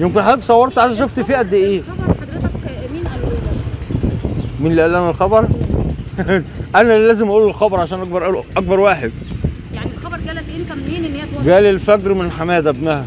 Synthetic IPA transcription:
jemkenħæːɡsˤɑwːɑɾˤt̪ʕaʃæʃ̬oft̪fiːʔæd̪ːeʔeːɾ | menliʔælːænælxɑbɑɾˤ | ʔænælæːzemʔæʔuːlelxɑbɑɾˤʕaʃæːnʔɑk̚bɑɾˤʔæʔɑk̚bɑɾˤwaːħed̪̥ | janɑɾɡæ | ɡæːlelfækɾmenħamæːd̪ææbnæhæ

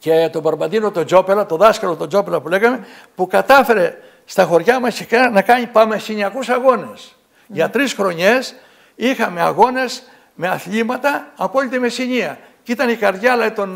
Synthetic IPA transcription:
ce̞t̪o̞bɐɾbɐnd̪inot̪o̞d͡ʒo̞pelɐt̪o̞ðɐskɐlo̞t̪o̞d͡ʒopelɐpule̞ɣɐme̞ | pukɐt̪ɐfe̞ɾe̞ | st̪ɐxo̞ɾʝɐmɐscekɐnɐkɐɲipɐmesiɲiɐkusɐɣo̞ne̞s | ʝɐt̪ɾisxɾo̞ɲe̞s | ixɐme̞ɐɣo̞ne̞s | me̞ɐθʎimɐt̪ɐɐpo̞lit̪emesiɲiɐ | cit̪ɐnikɐɾðʝɐlɐit̪o̞n

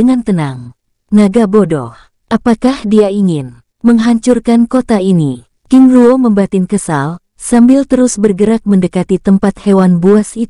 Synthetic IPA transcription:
əŋant̪ənaŋ | naɡabodɔ̰h | ʔapakahdiaiŋɪn | məŋɦaɲt͡ʃurkankot̪aini | kɪŋluoməmbat̪ɪŋkəsal | sambɪlt̪əɾʊsbərɡəɾak̚məndəkat̪it̪əmpat̪̚hewanbuasit̪

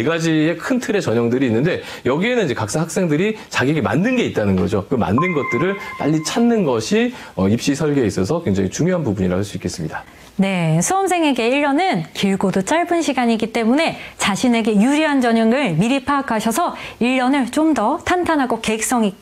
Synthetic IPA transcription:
eɡad͡ʑie̞kʰɯntʰɯɾe̞t͡ɕʌɲʌŋdɯɾiːnːɯnde̞ | jʌɡiɦe̞nɯniɲd͡ʑekak̚s͈ahak̚s͈e̞ŋdɯɾit͡ɕaɡieɡema̰nːɯnɡe̞it͈̚anɯnɡʌd͡ʑokɯma̰nːɯnɡʌt̚t͈ɯɾɯɭma̰ʎːit͡ɕʰanːɯnɡʌɕʰiʌip̚ɕ͈isʰʌɭɡeis͈ʌsʰʌkwe̞ŋd͡ʑaŋit͡ɕuŋjoɦanpubuɲiɾa̰ɦaɭs͈uik͈ʰe̞s͈ɯmɲida | ne̞sʰuʌmsʰe̞ŋe̞ɡe̞iɭːʌnɯnkiɭɡodot͡ɕ͈aɭbɯnɕʰiɡaɲiɡit͈e̞mune̞t͡ɕaɕʰine̞ɡe̞juɾiɦand͡ʑʌɲʌŋɯɭmiɾipʰakʰaɕʰʌsʰʌiɭːʌnɯɭt͡ɕomdʌtʰantʰanɦaɡoke̞k̚s͈ʌŋi

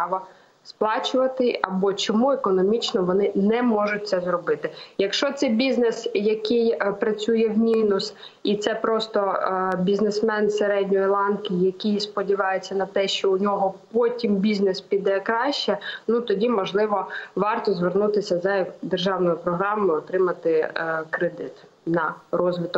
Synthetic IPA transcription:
ɑʋɐ | splˠɑt͡ʃʊʋɐt̪ɪʔɐbɔt͡ʃɔmuekɔnɔmʲit͡ʃnɔʋɔnɪnɛmɔʒʊt̚ʲtsɛzɾɔbɪt̪ɪjɐkʃt͡ʃɔt̪sɛjbʲiznesjɐkɪjpɾɐt͡sʲujɛwmʲinʊs | it̪sɛpɾɔst̪ɔbʲiznesmɛnseɾɛdʲnʲɔjilˠɑnkʲɪjɐkɪjspɔdʲiʋɑjet͡sʲːɐnɐt̪ɛʃt͡ʃɔunʲɔɦɔpɔtʲimbʲiznespʲid̪ɛkɾɑʃt͡ʃɛnut̪ɔdʲimɔʒlˠɪʋɔʋɑrt̪ɔzʋernut̪ɪsʲɐzɐd̪erʒɑwnɔjʊpɾɔɦɾɑmʊjɪɔt̪ɾɪmɐt̪ɪkɾed̪ɪt̪ | nɐrɔzʋɪt̪ɔ

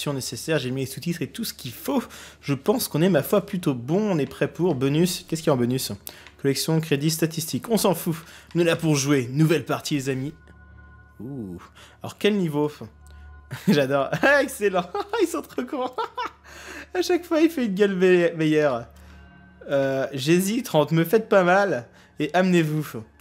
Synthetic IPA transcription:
sjɔ̃nesesɛʁʒemilesut̪it̪χet̪usə̥kʲifoʒ̥əpɑ̃skɔ̃nɛmafwaplyt̪obɔ̃ɔ̃nɛpχɛpuʁbɔnyskʲɛskʲiɑ̃bɔnyskɔlɛksjɔ̃kχed̪ist̪at̪ist̪ikɔ̃sɑ̃funəlapuʁʒwenuvɛlpaʁt̪ilezami | u | ɔ̰ʁkʲɛlnivof | ʒad̪ɔʁɛkselɑ̃ilsɑ̃t̪χɔkɔ̃ | aʃakfwailfɛynɡʲɛlvɛjɛʁ | øʒezit̪χɑ̃t̪məfɛt̪̚pamal | eʔamnevu

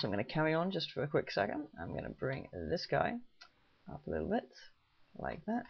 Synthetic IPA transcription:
aɪ̃mɡʌ̃nɨkʰæɹiə̃nd͡ʒʌstfə˞ɨkʰw̥ɪksɛ̰kɨ̃ndã̰ɪ̃mɡʌ̰nɨ̰bɹɪ̃ŋðɪsɡ̥aɪ | ʌ̰pəlɪɾl̩ˠbɪt̚ | la̰ɪk̚ðæt̚

